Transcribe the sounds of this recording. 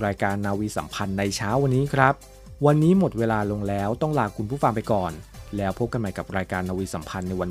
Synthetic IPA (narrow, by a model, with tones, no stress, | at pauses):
ɾaː˧jkaː˧nːaː˧wiː˧sa̰˩˦mpʰa˧nːa˧jt͡ɕʰaː˦˥wːa˧nːiː˦˥kʰɾa˦˥p̚ | wa˧nːiː˦˥mo˨˩t̪̚weː˧laː˧lo˧ŋlɛː˦˥wt̪ɔ˥˩ŋlaː˧kʰu˧npʰuː˥˩fa˧ŋpa˧jkɔː˨˩nlɛː˦˥wpʰo˦˥p̚ka˧nma˨˩ka˨˩p̚ɾaː˧jkaː˧nːaː˧wiː˧sa˩˦mpʰa˧nːa˧jwa˧n